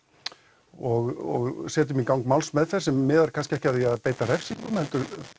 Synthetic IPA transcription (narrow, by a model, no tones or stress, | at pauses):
ɔɣɔ̰ɣsɛːt̪̬ʏmikawŋkmawlsmɛðθɛɾ̥sɛmːɪːðaɾ̥kʰans̬kcɪɛhcɪaðiaðpeːjt̪aɾɛfsiʏmɛnt̪ʏɾ